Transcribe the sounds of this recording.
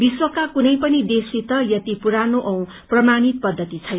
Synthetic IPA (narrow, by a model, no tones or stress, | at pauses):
biswʌkakunʌjpʌnid̪esit̪ʌjʌt̪ipuɾanoʔʌw̃ | prʌmanit̪̚pʌd̪ʱːʌt̪it͡sʰʌjnʌ